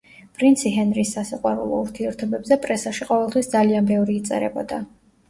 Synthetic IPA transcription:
pʼɾint̪sʰiɦɛnɾisːasiqʼwaɾṵlˠɔ̰uɾt̪ʰiɛɾt̪ʰɔbɛbzɛpʼɾɛsaʃiqʼɔvɛlˠt̪ʰwisd̪zalianbɛvɾiːt̪sʼɛ̰ɾɛ̰bɔd̪a

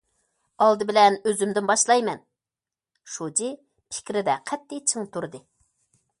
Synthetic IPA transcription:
ɑlˠd̪ɨbɪlɛnøzymd̪ɪnbɑʃlˠɑjmɛn | ʃud͡ʒi | pʰɪ̥kʲɾɪd̪ɛqʰɛt̪ːɪt͡ʃʰəŋt̪ʰuɾd̪ɨ

